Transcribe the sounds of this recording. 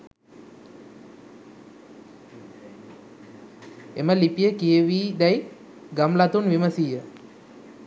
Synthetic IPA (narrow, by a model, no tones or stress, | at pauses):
ḛməlipijəkieʋiːd̪aj | ɡəmlat̪unʋiməsiːjə